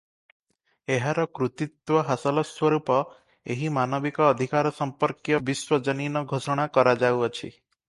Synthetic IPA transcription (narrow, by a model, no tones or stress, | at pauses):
eɦaɾɔkɾut̪it̪wɔɦasɔlɔswɔɾupɔ | eɦimanɔbikɔːd̪ʱikaɾɔsɔmpɔɾkjɔbiswɔd͡ʒɔninɔɡʱosɔɽ̃akɔɾad͡ʒawɔt͡ʃʰḭ